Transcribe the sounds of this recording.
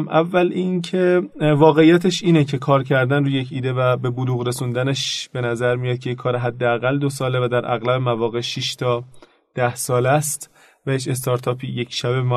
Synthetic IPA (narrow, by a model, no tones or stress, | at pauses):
mʔævːælincʰevɒːɣeijːæt̪ʰeʃiːnecʰe̞kʰɒːɾcʰæɾd̪ænruːjecʰiːd̪evæbe̞boluːɣɾe̞sund̪æneʃb̥e̞næzæɾmijɑd̪̚cʰejekʰɒːɾeɦæd̪ːeæɣæld̪o̞sɒːlevæd̪æɾʔæ̰ɣlæbemævɒːɣe̞ʃiʃt̪ʰɒː | d̪̥æhsɒːlæst̪ | væjeʃe̞st̪ʰɒːɾt̪ʰɒːpʰijekʰʃæbem